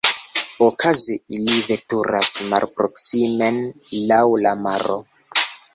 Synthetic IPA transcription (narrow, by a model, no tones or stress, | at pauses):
okʰazeilive̞tuɾasma̰lpɾoksimenlawlamaɾo̰